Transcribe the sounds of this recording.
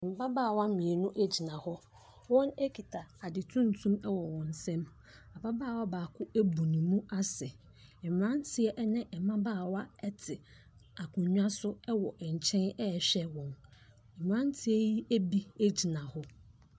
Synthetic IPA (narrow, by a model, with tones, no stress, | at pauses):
m̩˨ba˦baː˦˨wa˦mĩ˨e˨nʊ̃˦ʔe˦d͡ʑi˨nã˨hɔ˦ | wɔ̃˦ne˦kʰi˨tʰa˨a˨dɪ˨tʰũ˦n̩˦tʰũ˦mɛ˦wɔ˨wɔ̃˨n˨sɛ̃˦m | a˨ba˦baː˦˨wa˦baː˨kʰʊ˦e˦bu˨nĩ˨mũ˦ʔa˦sɛ˨ | ɛ˨m˨ã˦n˦tʰɪ˦ɛ˦ʔɛ˦nɪ̃˦ʔɛ˨mã˦baː˦˨wa˦ɛ˦tʰɪ˨ | a˨kʰʊ̃˨ɲᶣ˦ã˦sʊ˦ɛ˦wɔ˨ʔɛ˨ɲ̩˨t͡ɕʰɛ̃˦nɛ˦˨ɕᶣɛ˦wɔ̃˨n | ɛ˨m˨ã˦n˦tʰɪ˦e˦ji˦e˦bi˦e˦d͡ʑi˨nã˨hɔ˦